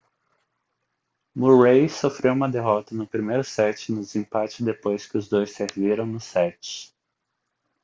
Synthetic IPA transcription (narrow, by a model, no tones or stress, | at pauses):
muɾejsofɾewũmɐd̪eɦɔt̪ɐnʊpɾimejɾʊsɛt͡ʃɪnʊd͡ʒ̪ɪzĩpat͡ʃɪd̪epojskɪʊzd̪ojseɾviɾɐ̃w̃nʊsɛt͡ʃɪ̥